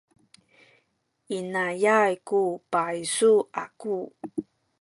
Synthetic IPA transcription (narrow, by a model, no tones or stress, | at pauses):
inajajkupajsuaku